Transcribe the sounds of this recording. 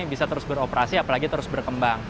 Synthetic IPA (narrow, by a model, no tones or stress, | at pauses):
bisat̪əɾʊsbəɾopəɾasiapalaɡit̪əɾʊsbərkəmbaŋ